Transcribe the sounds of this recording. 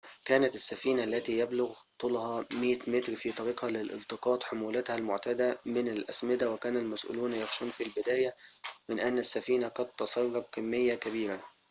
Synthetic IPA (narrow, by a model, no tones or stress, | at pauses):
kæːnæt̪ɪsːæfiːnaʔlːæt̪iːjæblʊɣt̪ˤuːlhɑmiːt̪mɪt̪ɾfiːt̪ˤɑɾiːqhɑlɪlʔɪ̰lt̪ˤɨqɑːt̪ˤħomuːlæt̪hælmʊʕt̪æd̪æmɪnælʔæ̰smɪd̪æwɪkæːnælmæsʔṵːluːnjɑxʃuːnfilbɪd̪æːjæmɪnʔænːæsːæfiːnaqɑd̪̚t̪ːɑsˤɑɾːɑb̚kɪmːɪjːækæbiːɾa